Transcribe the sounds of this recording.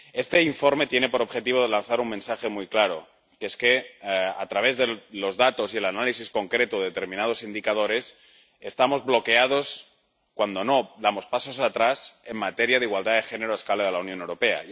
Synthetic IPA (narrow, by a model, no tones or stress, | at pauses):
e̞st̪e̞iɱfo̞ɾme̞t̪je̞ne̞po̞ɾo̞βxe̞t̪iβoðelanθaɾumẽnsaxe̞mujklaɾo̰ | keeske̞a̰t̪ɾaβ̞e̞zðelo̞zðat̪o̞sie̞lanalisisko̞ŋkɾe̞t̪oðet̪e̞ɾmĩnað̞o̞sind̪ikað̞o̞ɾe̞s | est̪amo̞zβlo̞ke̞að̞o̞s | kwand̪o̞noðamo̞spaso̞sat̪ɾase̞mmat̪eɾjaðeiɣwald̪aðexene̞ɾoeskaleðelaunjonewɾo̞pe̞a̰